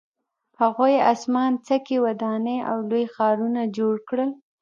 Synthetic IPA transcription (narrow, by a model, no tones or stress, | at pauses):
paɣojasmɑnt͡səkewad̪ɑnəa̰wlojxɑɾunad͡ʒoɽkɽəl